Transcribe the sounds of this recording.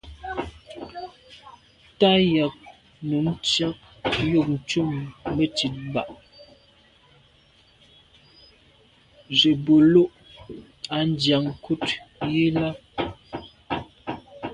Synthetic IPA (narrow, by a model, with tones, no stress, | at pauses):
ta˦ja˨k̚ | nu˨m˦t͡ʃa˦k̚jo˦˨k̚n̩˨t͡ʃu˦˨mːə˨t͡ʃi˨t̚ba̰˦˨ʔ | ʒe˨bo˨lo˦ʔ | a˨n˦dja˨ŋ˨kʰu˦tje˦la˦